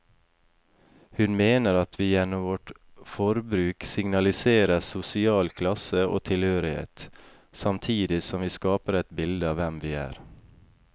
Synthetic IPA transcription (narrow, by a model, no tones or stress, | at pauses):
hʉnmeːnəɾɑt̪ʰʋiːjɛnːɔmʋɔʈ | fɔɾbɾʉːksɪŋnɑlɪseːɾəsʊsɪɑːlkʰlɑsəʔo̰ːt̪ʰɪlhøːɾɪhḛːt̪ | sɑmt̪ʰiːd̪ɪsɔmʋiːskɑːpəɾɛt̪bɪld̪əɑːʋɛmʋiːæ̰ːɾ